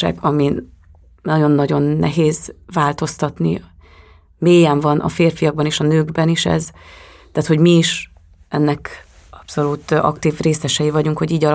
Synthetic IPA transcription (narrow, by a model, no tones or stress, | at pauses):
ɛ̰ɡɒmi | nɒɟo̞nːɒɟo̞nːɛ̰ɦeːzvaːlt̪o̞st̪ɒt̪nḭ | meːjɛɱvɒnʔɒ̰feːrfijɒɡ̚bɒneːʃɒnøːɡbɛniʃɛ̰z | t̪aːt̪ho̞ɟmiːʃ | ɛnːɛk | ɒpso̞lut̪ɒ̰kt̪iːvreːsɛʃɛjivɒɟuŋkho̞ɟiːɟɒl